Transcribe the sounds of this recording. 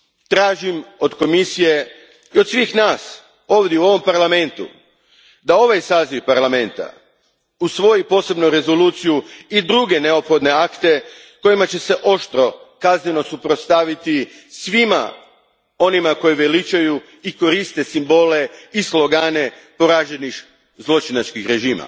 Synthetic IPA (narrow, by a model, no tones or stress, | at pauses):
t̪ɾaːʒimo̞d̪ko̞misije̞ | iod̪sʋiːxnaːs | o̞ːʋd̪ʲjeuo̞ʋo̞mpaɾlame̞nt̪ṵ | d̪ao̞ʋajsaːziʋpaɾlˠame̞nt̪a̰ | usʋo̞jipo̞se̞bnoɾe̞zo̞luːt̪sijuid̪ɾuɡe̞ne̞o̞pxo̞d̪ne̞akt̪e̞ | ko̞imat͡ɕe̞se̞ʔo̞ʃt̪ɾo̞kazneno̞supɾot̪st̪aʋit̪i | sʋima̰ | o̞nimako̞jiʋelit͡ʃaju | iko̞ɾist̪e̞simbo̞ːle̞islˠo̞ɡaːne̞ | po̞ɾaːʒenix | zlˠo̞t͡ʃinat͡ʃkixɾe̞ʒiːma̰